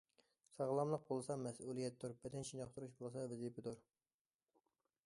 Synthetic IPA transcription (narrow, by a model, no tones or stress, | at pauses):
sɑʁlˠɑmlˠəq̚bolˠsɑmɛsulˠijɛt̪ːuɾbɛd̪ɛnt͡ʃʰinɑχt̪uɾuʃbolˠɨsɑvɛzipʰɪt̪uɾ